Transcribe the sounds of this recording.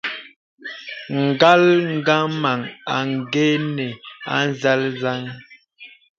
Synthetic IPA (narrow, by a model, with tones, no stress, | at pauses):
ŋ̩˨ɡa˦lŋ̩˦ɡa˦ma˨ŋa˨ŋ˨ɡɛ˦nɛ˨a̰˦n˦za˦lza˦ŋ